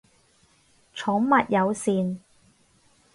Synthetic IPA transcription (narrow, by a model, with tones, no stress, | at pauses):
t͡ʃʰɔ˨˥ŋmɐ˨t̚jɐ˨˧wsiː˨n